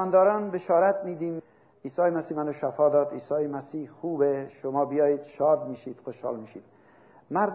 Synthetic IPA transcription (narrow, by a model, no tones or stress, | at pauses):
nd̪ɒːɾɒːnbeʃɒːɾat̪miːd̪iːm | iːsɒːjemasiːmanoʃafɒːd̪ɒːd̪iːsɒːjemæsiːhxuːbeʃomɒːbijɒːjiːd̪̥ʃɒːd̪miːʃiːd̪̥xoʃhɒ̰ːlmiʃḭːd̪̥ | maɾd̪